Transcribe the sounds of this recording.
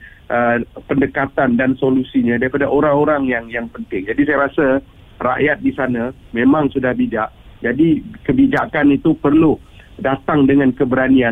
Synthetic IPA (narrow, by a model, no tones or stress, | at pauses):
ʔəpəndəkat̪andansolusiɲãdaɾipadaʔoɾaŋoɾaŋjaŋjaŋpənt̪ɪŋd͡ʒadisajaɾasa | ra̰ʔjat̪̚disanã | mẽmãŋsudahbid͡ʒaʔ̚d͡ʒadikəbid͡ʒakanit̪upərlu | dat̪aŋdəŋãnkəbəɾania